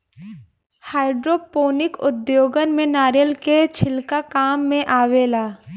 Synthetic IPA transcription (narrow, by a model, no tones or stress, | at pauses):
haːɪɖɾoːpoːnɪkʊd̪joːɡənmẽnaːɾjəlket͡ʃʰɪlkakaːmːẽʔaːʋeːlaː